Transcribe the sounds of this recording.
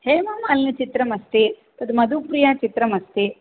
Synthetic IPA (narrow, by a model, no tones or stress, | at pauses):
heːmaːmɐɐːlnit͡ʃit̪ɾɐmɐst̪i | t̪ɐd̪mɐd̪upɾijaːt͡ʃit̪ɾɐmɐst̪i